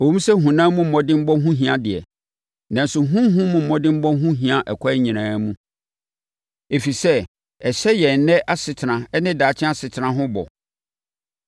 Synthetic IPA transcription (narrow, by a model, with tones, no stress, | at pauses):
o˨wũ˦m˦sɛ˦ɦũ˨nãː˦mũ˦m̩˨mɔ̃˦dɪ̃˦m̩˦bɔ˦ɦũ˦ɦĩ˨ã˨dɪ˨ɛ̰˨ | nã˨n̩˨sʊ˨ɦũ˦m˦ɦũ˦mũ˦m̩˨mɔ̃˦dɪ̃˦m̩˦bɔ˦ɦũ˦ɦĩ˨ã˨ʔɛ˨kʷʰɔ˦ɲĩ˨nãː˨˦mũ˦ | e˨fi˨sɛ˦ | ɛ˨ɕɛ˦jɛ˨nɛ̃˦ʔa˦sɪ˨tʰɪ˨ɾã˨ɛ˦nɪ̃˦daː˨t͡ɕʰɪ̃˦a˦sɪ˨tʰɪ˨ɾã˦ɦʊ̃˦bɔ̰˨